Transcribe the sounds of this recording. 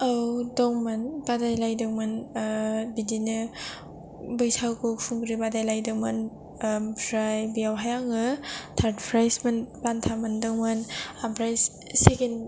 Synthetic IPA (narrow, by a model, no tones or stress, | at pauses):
awdɔŋmanbadajlajdɯŋmɯn | bidinɯ | bɯjsʰawkɔkpʰuŋɡɾibadajlajdɯŋmɯn | pʰɾajbijawɦajaŋɯtʰaɾdpʰɾajsmɯnpantʰamɯndɔŋmɯnapʰɾajs | seken